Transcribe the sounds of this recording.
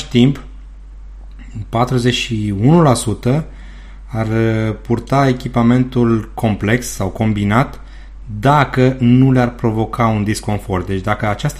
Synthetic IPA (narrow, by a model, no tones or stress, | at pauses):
ʃt̪imp | pat̪ɾuze̞ʃiunulasut̪ə | arpurt̪ae̞kʲipame̞nt̪ulkʰo̞mple̞kssawko̞mbinat̪ | d̪akənulearpɾo̞vo̞kʰaund̪isko̞nfo̞rd̪e̞t͡ʃd̪akəat͡ʃast̪